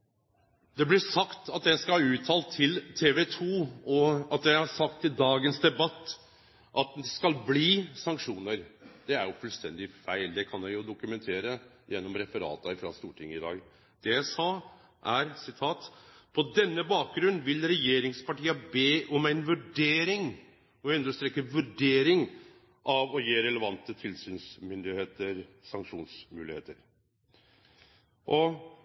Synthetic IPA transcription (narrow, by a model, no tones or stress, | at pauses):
d̪ɛblɪsɑkt̪ɑt̪jæɪskɑʉːt̪ʰɑːlt̪ʰːɪlt̪ʰeːʋɛt̪ʰuːɔɑt̪jæɪhɑʂɑk̚t̪ʰːɪld̪ɑːɡənsd̪ɛbɑt̪ː | ʔɑt̪skɑlbliːsɑŋkʂuːnəɾd̪̥ɛæɾjʊfʉlst̪ɛ̰nd̪ɪfæɪld̪ɛkʰɑnjæɪjʊd̪ʊkʉmɛnt̪ʰeːɾə | jɛnːɔmɾɛfəɾɑ̰ːt̪əfɾɑ̰st̪uːʈʰɪŋːəɪd̪ɑ̰ːɡ | d̪̥ɛjæɪsɑː | ʔæɾsɪt̪ʰɑːt̪ | pʰɔd̪ɛnːəbɑːk̚ɡɾʉnnʋɪlɾɛjeːɾɪŋspɑʈiːəbeːʔɔmæɪnʋʉɖeːɾɪŋ | ɔʉnd̪əʂst̪ɾeːkːəʋʉɖeːɾɪŋ | ʔɑʋɔjeːɾɛləʋɑnt̪ət̪ʰɪlsyːnsmʏnd̪ɪheːt̪əɾsɑŋkʂuːnsmʉːlɪheːt̪əɾ | ʔɔ